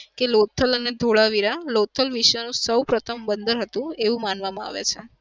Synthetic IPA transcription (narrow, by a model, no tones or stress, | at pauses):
kelot̪ʰːələned̪ʱoɭaʋiɾalot̪ʰːəlʋiʃənũsəwpɾət̪ʰəmbənd̪ʱəɾɦət̪ũeʋũmanʋamãa̰ʋḛt͡ʃʰe